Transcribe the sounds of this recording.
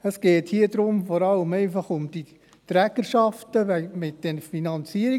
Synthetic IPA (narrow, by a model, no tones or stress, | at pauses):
əsɡ̥ɛːthiːəd̥̪ɾʊmfɔɾɑləmɛɪfɑχʊmd̥i | t̪ɾɛɡəɾʃɑftəʋɛmɪt̚d̥ɛnfinɑnt͡siəɾi